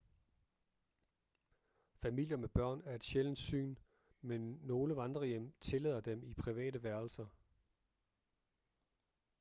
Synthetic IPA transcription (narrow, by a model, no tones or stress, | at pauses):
fæmil̰jɐmeb̥ɶɐ̰næɐe̝d̥ɕeln̩d̥sy̰ːn | menːo̝ːləʋɑ̈nd̥ʁɐjem̰t͡sʰe̝lɛð̰ˠɐd̥emipʰʁiʋɛ̰ːɾ̥əʋæɐlsɐ